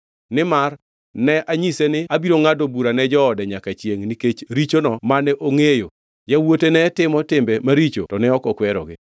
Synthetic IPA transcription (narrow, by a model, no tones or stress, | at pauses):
nɪmar | nɛʔaɲisenɪabiɾoŋadobuɾanɛd͡ʒɔːdɛɲakat͡ʃjeŋniket͡ʃɾit͡ʃonɔmanɛʔoŋejo | jawotenɛtɪmɔtɪmbɛmaɾit͡ʃo̰tɔnɛɔkɔkwɛɾɔ̰ɡɪ